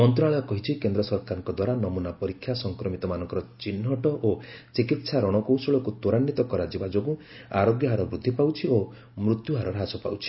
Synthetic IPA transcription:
mɔnt̪ɾɔnaɭɔjɔkɔɦit͡ʃʰikend̪ɾɔsɔɾkaɾɔŋkɔd̪waɾanɔmunapɔɾikʰːjasɔŋkɾɔmit̪ɔmanɔŋkɔɾɔt͡ʃinːɔʈɔʔot͡ʃikit̪saɾɔɽ̃ɔkowsɔɭɔkut̪oɾanːit̪ɔkɔɾad͡ʒibad͡ʒoɡũ | aɾoɡjɔɦaɾɔbɾud̪ʱːipawt͡ʃʰio | mɾut̪juɦaɾɔɾɦasɔpa̰wt͡ʃʰi̥

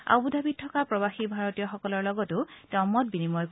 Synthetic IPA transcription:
a̰budʱabit̚tʰːɔkapɹɔbaxibʱaɹɔtijɔxɔkɔlɔɹlɔɡɔtʊtɔmɔt̚binimɔjk

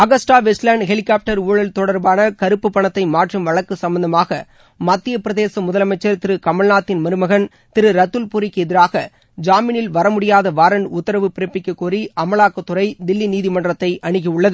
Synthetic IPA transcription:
ɐɣɐsʈaːʋɛslɐɳɖɦɛɭɪkːaːp̚ʈɐɾuːɭɐlt̪ɔɽɐɾbaːnɐkɐɾɯpːɯpːɐɳɐt̪ːɐɪmaːʈrɯmʋɐɭɐkːɯsɐmbɐnd̪ɐmaːɣɐ | mɐt̪ːɪjɐpɪɾɐðeːsɐmʊðɐlɐmɐɪt͡ʃːɐɾt̪ɪɾɯkɐmɐɭnaːt̪ːɪnmɐɾɯmɐɣɐn | t̪ɪɾɯɾɐt̪ːɯlpuːɾɪkːɛðɪɾaːɣɐ | d͡ʒaːmɪnɪlʋɐɾɐmʊɽɪjaːðɐʋaːɾɐɳɖʊt̪ːɐɾɐʋɯpɪɾɐpːɪkːɯkːuːɾiʔɐmɐɭaːkːɐt̪ːɯɾɐɪd̪ɪlːiniːðɪmɐɳɖrɐt̪ːɐɪʔɐɳɪkɐɯɭːɐðɯ

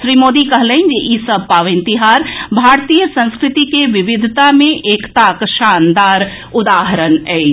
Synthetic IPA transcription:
ʃɾiːmoːd̪ikəɦləɪnd͡ʒeʔisəb̚ʱpaːʋɪ̃nt̪iɦaːɾbʱaːɾt̪ijəsə̃nskɾɪt̪ikeʋɪʋɪd̪ʱt̪amẽʔeːkt̪akʃand̪aːɾ | ʊd̪aːɦəɾənɛː

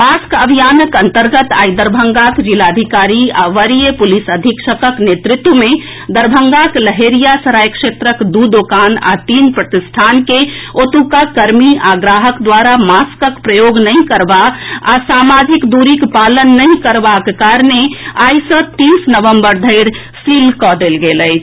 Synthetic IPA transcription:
maskəbʱijanəkənt̪əɾɡət̪a̰jd̪əɾbʱəŋɡakd͡ʒilad̪ʱikaɾia̰ʋəɾijepulisəd̪ʱikʃəkəknet̪ɾɪt̪wəme | d̪əɾbʱəŋɡakləɦeɾijasəɾajkʃet̪ɾəkd̪ud̪okana̰t̪inpɾət̪ist̪ʰankeot̪ukakəɾmiaɡɾaɦəkd̪waɾamaskəkpɾəjoɡnəjkəɾbaasamad͡ʒikd̪uɾikpalənːəj̃kəɾbakkaɾneajsə̃t̪isnəʋəmbəɾd̪ʱəɪɾ | silkɔd̪elɡeləjt͡ʃʰ

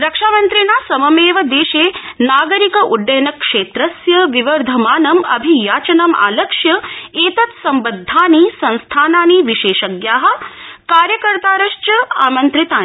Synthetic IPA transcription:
ɾɐkʂaːmɐnt̪ɾinaːsɐmɐmeːʋɐd̪eːʃeːnaːɡɐɾikɐʔuɖːɐjɐnɐkʂeːt̪ɾɐsjɐʋiʋɐɾd̪ʱɐmaːnɐmɐ̰bʱijaːt͡ʃɐnɐma̰ːlɐkʂjɐeːt̪ɐt̪sɐmbɐd̪ʱːaːnisɐ̃nst̪ʰaːnaːniʋiʃeːʃɐɡjaːɦɐ̆kaːɾjɐkɐɾt̪aːɾɐʃt͡ʃɐa̰ːmɐnt̪ɾit̪aːn

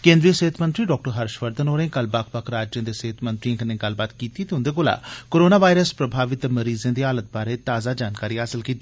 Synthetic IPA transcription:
kẽːnd̪ɾijəseːt̪ʰmənt̪ɾiːɖɔːk̚ʈəɾɦəɾʃʋəɾd̪ənoːɾẽːkəlbakʰbəkʰɾaːd͡ʒjə̃ːd̪eseːt̪ʰmə̃nt̪ɾiãːkənẽːɡəlbaːt̪kiːt̪iːt̪eʊnd̪eːkoːla̰ːkoːɾoːnaːʋaːjɾəspɾəbʱaːʋɪt̪məɾiːzẽːd̪iːaːlət̪̚baːɾeːt̪aːzaːd͡ʒaːnkaːɾiːɦaːsɪlkiːt̪i

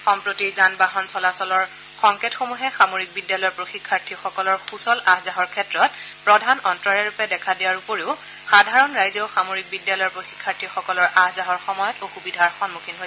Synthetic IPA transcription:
xɔmpɹotiɹzanbaɦɔnsɔlasɔlɔɹ | xɔŋketxomuɦɛxamoɹik̚bidjalɔjɔɹpɹoxikʰːaɹtʰixɔkɔlɔɹxusɔlaɦzaɦɔɹkʰɛtɹɔt̚ | pɹɔdʱanɔntɹɔɹɛɹupɛdɛkʰadijaɹupoɹiʊ | xadʱaɹɔnɹajzɔxamoɹik̚bidjalɔjɔɹpɹoxi̥kʰːaɹtʰixɔkɔlɔɹʔahzaɦɔɹxɔmɔjɔtoxubidʱaɹxɔnmukʰinɦojɛ

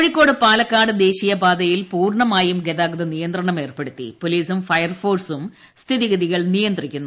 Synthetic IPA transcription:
oɻikʲːo̞ːɽɨpaːlɐkːaːɽɨd̪e̞ːɕijɐbaːd̪ɐjilpuːrɳɐmaːjumɡeðaːɡɐd̪ɐnijɐnd̪rɐɳɐme̞ːrpe̞ɽut̪ːḭpoliːsumfɐjɐrfoːrsum | st̪ʰiðiɡɐðiɣɐɭnijɐnd̪rikʲːunː

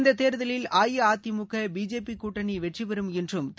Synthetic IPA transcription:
nd̪ɐt̪ːeːɾɐðɐlɪlaːjɐaːt̪ːimʊkːɐbiːd͡ʒeːpikuːʈːɐniʋɛʈriʋɐɾɯmɛndrɯmt̪

